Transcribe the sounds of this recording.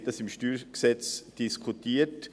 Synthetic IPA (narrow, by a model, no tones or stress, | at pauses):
təsɪmʃtyːɾksɛt͡sd̥iskʰutiːt